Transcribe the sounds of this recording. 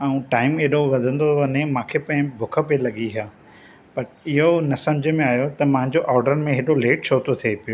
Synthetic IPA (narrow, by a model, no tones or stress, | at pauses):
ɐũʈaːɪmeːɗoʋɐd̪ʱə̃nd̪oʋɐɲemãːkʰepɐ̃ɦɪ̃bʱʊkʰə̆pelɐɡiɦjaː | pɐɾɪɦonɐsɐ̃md͡ʑʱəmẽaːjot̪ɐmɐ̃ɦɪ̃ɲd͡ʑoʔaːɾɖəɾmẽɦeːɗoleːʈt͡ɕʰoːt̪ot̪ʰiepijo